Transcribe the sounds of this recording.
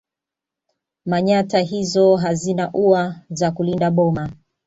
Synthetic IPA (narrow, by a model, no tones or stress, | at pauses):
maɲataɦizɔɦazinaʔuazakulindaɓɔma